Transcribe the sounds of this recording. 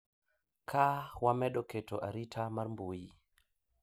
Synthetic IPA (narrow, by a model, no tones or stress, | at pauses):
kʰawamɛɗɔkɛtɔʔaɾitʰamaɾmboji